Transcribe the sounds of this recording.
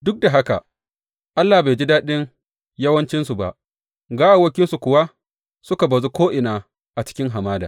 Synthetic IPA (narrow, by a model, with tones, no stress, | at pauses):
dʊ˦k̚da˨ɦa˦ka̰˨ | ʔa˦lːa˨be˨d͡ʒi˦daː˦ɗɪ˦ŋ | jɐ˦wɐ˦nt͡ʃɪ˦nsu˨ba̰˨ʔ | ɡaː˦ʔa˨wɐ˦kʲɪ˦nsu˨kʷʊ˨wa˦ | sʊ˦ka˨bɐ˨zu˦kʷoː˦ʔɪ˨naː˨ | ʔa˨t͡ʃɪ̥˦kʲɪ˦ŋɦa˨maː˦da̰ː˨